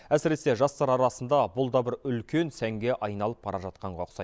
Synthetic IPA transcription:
æsɪɾe̞se̞ʒɑst̪ɑɾɑɾɑsənd̪ɑbʊlˠd̪ɑbɪɾʏlkʲʰe̞nsæŋɡʲe̞ʔɑjnɑlˠəp̚bɑɾʔɑʒɑt̪̚qɑɴʁɑqsɑ̰j

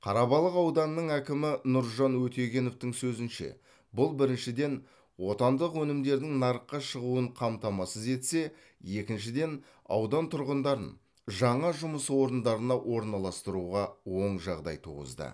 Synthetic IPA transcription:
qʰɑɾɑbɑlˠəqɑwd̪ɑnːəɴækʲɪmɪnʊɾʒɑnwɵt̪e̞ɡʲe̞no̞ft̪ɪŋsɵzɪnʃe̞̰ | bʊlˠbɪɾɪnʃɪd̪e̞n | wo̞t̪ɑnd̪əqwɵnɪmd̪e̞ɾd̪ɪŋnɑɾəqːɑʃəʁuəɴqʰɑmt̪ɑmɑsəze̞t̪se̞ | je̞kʲɪnʃɪd̪e̞n | ɑ̰wd̪ɑnt̪ʰʊɾʁənd̪ɑɾə̰n | ʒɑɴɑʒʊməswo̞ɾənd̪ɑɾənɑwʔo̞ɾnɑlˠɑst̪əɾuʁɑwo̞ɴʒɑʁd̪ɑ̰jt̪ʰṵʁə̰zd̪ə̰

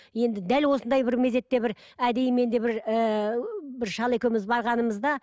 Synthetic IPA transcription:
je̞nd̪ɪd̪ælwo̞sənd̪ɑjbɪɾme̞ze̞t̪ːe̞bɪɾ | æd̪e̞jme̞nd̪e̞bɪɾə | bɪɾʃɑlˠe̞kʲewɪmɪzbɑɾʁɑnəməzd̪ɑ

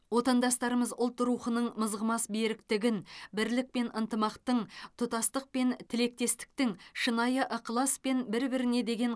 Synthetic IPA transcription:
wo̞t̪ɑnd̪ɑst̪ɑɾəməzʊlˠt̪ːɾuχənəɴməzʁəmɑsbeɾɪk̚t̪ɪɡʲɪnbɪɾlɪk̚pe̞nʔənt̪əmɑqt̪əɴt̪ʰʊt̪ɑst̪əq̚pe̞nt̪ʰɪle̞k̚t̪e̞st̪ɪ̥k̚t̪ɪŋʃənɑjəʔəqʰlˠɑspe̞nbɪɾbɪɾɪne̞d̪e̞ɡʲe̞ɴ

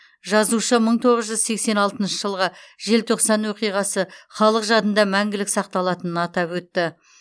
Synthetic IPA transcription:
ʒɑzuʃəməɴt̪ʰo̞ʁəzʒʏzse̞kse̞nɑlˠt̪ənʃəʒəlˠʁəʒe̞lt̪ʰo̞qsɑnwo̞qijʁɑsəχɑlˠəqʒɑt̪ənd̪ɑmæŋɡʲɪlɪksɑq̚t̪ɑlˠɑt̪ənənɑt̪ɑpwɵt̪ːɪ

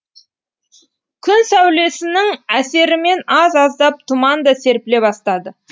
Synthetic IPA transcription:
kʲʰʏnsæwle̞sɪnɪŋæse̞ɾɪme̞nɑzɑzd̪ɑp̚t̪ʰumɑnd̪ɑse̞ɾpɪle̞bɑst̪ɑd̪ə

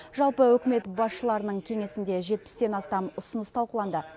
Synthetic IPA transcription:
ʒɑlˠpəwɵkʲɪme̞t̪bɑsʃəlˠɑɾənəɴkʲʰe̞ŋe̞sɪnd̪e̞ʒe̞t̪̚pɪ̥st̪e̞nɑst̪ɑmʊsənəst̪ʰɑlˠqəlˠɑnd̪ə

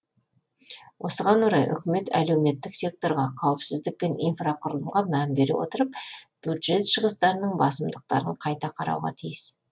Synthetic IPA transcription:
wʔo̞səʁɑnwoɾɑjʔʏ̰kʲɪme̞t̪ʰæ̰le̞wme̞t̪ːɪkse̞k̚t̪o̞ɾʁɑqʰɑwɪpsɪzd̪ɪk̚pe̞nḭjnfraqʰʊɾəlˠəmʁɑmænbe̞ɾḛwo̞̰t̪əɾəp̚b̥jud̪ʒe̞t̪ʃəʁəst̪ɑɾənəɴbɑsəmd̪əq̚t̪ɑ̰ɾəɴqʰɑjt̪ɑqʰɑɾɑ̰wʁɑ̰t̪ʰijɪs

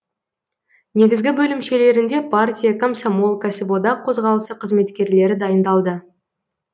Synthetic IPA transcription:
ne̞ɡʲɪzɡʲɪbɵlɪmʃe̞le̞ɾɪnd̪e̞pʰartʲijakomsamolˠkasɪbo̞d̪ɑqʰo̞zʁɑlˠəsəqʰəzme̞t̪kʲe̞ɾle̞ɾɪd̪ɑjənd̪ɑlˠd̪ə

